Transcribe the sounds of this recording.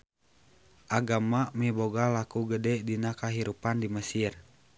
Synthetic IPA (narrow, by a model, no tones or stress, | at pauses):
ʔaɡamamɛboɡalakuɡədɛdinakaɦiɾupandiməsir